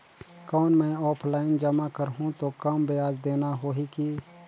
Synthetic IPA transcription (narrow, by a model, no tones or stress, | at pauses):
kɔːnmɛ̃ɔːpʰlaːɪnd͡ʒəmakəɾɦũt̪okəmbejaːd͡ʒd̪eːnaɦoːɦiki